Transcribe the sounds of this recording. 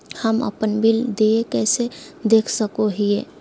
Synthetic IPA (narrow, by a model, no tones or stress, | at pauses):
həmə̰pənbild̪eekɛːsed̪eːkʰsəkoɦie